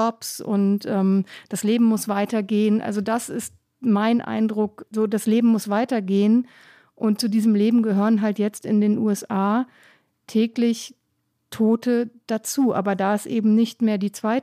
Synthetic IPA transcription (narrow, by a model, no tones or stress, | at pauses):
ɔpsʊ̰ntʔɛːmd̥asleːbm̩mʊsv̥aɪtɐɡeːənʔa̰lzodasɪst̚ | maɪnʔa̰ɪndʁʊkzoːdasleːbm̩mʊsv̥aɪtɐɡeːən | ʔʊntt͡sudiːzəmleːbm̩ɡəɦøːʁənɦaltjɛt͡stɪndeːnʔṵːɛsʔaː | tʰɛːklɪç | tʰoːtəd̥at͡suːʔa̰ːbɐdaːɪsʔḛːbm̩nɪçtmeːɐdiːt͡sv̥aɪt